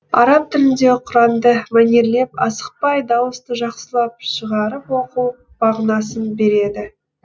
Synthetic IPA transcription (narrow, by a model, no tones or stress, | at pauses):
ɑɾɑp̚t̪ʰɪlɪnd̪e̞qʰʊɾɑmd̪əmænʲeɾle̞pɑsə̥q̚pɑjd̪ɑwəst̪əʒɑqsəlˠɑp̚ʃəʁɑɾəpwo̞quw | b̥ɑʁnɑsənbe̞ɾe̞d̪ɪ